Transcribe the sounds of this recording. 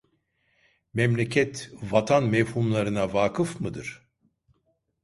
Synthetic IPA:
mɛmlʲecʰɛt̪vat̪ʰanmɛvhumlˠaɾɯnavaːkʰɯfmɯd̪ɯɾ̥

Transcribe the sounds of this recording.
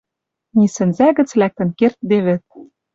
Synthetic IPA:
nisɘ̆nzæɡɘ̆t͡slæk̚t̪ɘ̆nkert̪̚d̪eβɘ̆t̪̚

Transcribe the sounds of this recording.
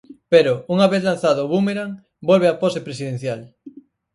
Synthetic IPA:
peɾʊuŋaβeθlanθaðʊβumeɾaŋ | bolβeaposepɾes̬iðẽn̟θjal

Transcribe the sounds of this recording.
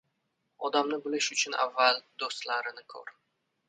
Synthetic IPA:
ɒd̪amnɪbɪlɪʃʊt͡ʃʰʊna̰vːald̪ost̪laɾɪnɪkʰo̰ɾ

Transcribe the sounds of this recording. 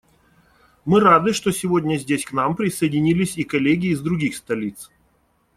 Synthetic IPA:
mɨɾad̪ɨʂt̪osʲɪvo̞dʲnʲəzʲdʲesʲknampɾʲɪsəjɪdʲɪnʲilʲɪsʲikɐlʲeɡʲɪːzd̪ɾʊɡʲixst̪ɐlʲit̪s

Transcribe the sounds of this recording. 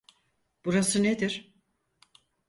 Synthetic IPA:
b̥uɾasɯned̪iɾ̥

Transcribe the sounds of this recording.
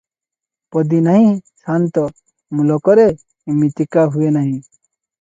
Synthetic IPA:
pɔd̪inaɦĩsant̪ɔ | mulɔkɔɾe | imit̪ikaɦuenaɦĩ

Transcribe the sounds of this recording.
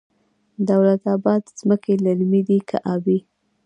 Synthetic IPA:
d̪awlat̪ɑbɑd̪zməkelaɾmid̪ikʰa̰ʔɑbi

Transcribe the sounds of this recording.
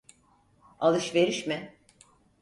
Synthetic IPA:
alˠɯʃve̞ɾiʃmɪ

